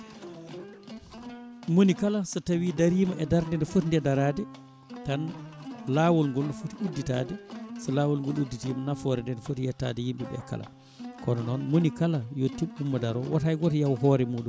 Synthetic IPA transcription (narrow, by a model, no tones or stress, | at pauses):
monikalasɔtawidaɾiːmaʔɛdaɾndɛndɛfotndɛdaɾadɛ | tanlawɔlŋɡɔlnɔfutiudːita̰dɛsɔlaːwɔlŋɡɔludːitimnafɔɾɛndɛdfotjɛtːa̰dɛjimɓɛɓɛ̰ka̰la̰ | kɔnɔnɔnmonikalajɔtiɓumːadaɾɔwatajɡɔtjawɦɔɾɛmuːɗum